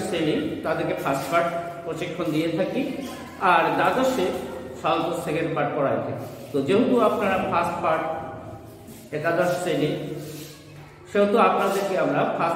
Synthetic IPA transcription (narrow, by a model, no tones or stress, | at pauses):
senit̪ad̪eɾkefʰasʈpaɾʈpɾoʃikʰːond̪ijet̪ʰaki | aɾd̪ad̪oʃesalt̪ost̪ʰeɡeɾpaʈ̚pɔɽajet̪ʰakit̪od͡ʑeɦot̪uapnaɾapʰasʈfaɾʈ̚ | ek̪ad̪asseni | ʃeɦot̪oapnad̪eɾkeamɾapʰas